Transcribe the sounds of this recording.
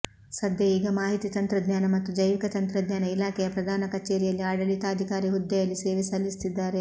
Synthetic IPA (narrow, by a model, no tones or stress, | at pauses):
sɐd̪ʱjɐiːɡɐmaːɦit̪it̪ɐnt̪ɾɐd̪ɲaːnɐmɐt̪ːud͡ʒɐjʋikɐt̪ɐnt̪ɾɐd̪ɲaːnɐilaːkʰɛjɐpɾɐd̪ʱaːnɐkɐt͡ʃːeːɾijɐlːiaːɽɐlit̪aːd̪ʱikaːɾiɦud̪ːɐjɐlːiseːʋisɐlːist̪id̪ːaːɾe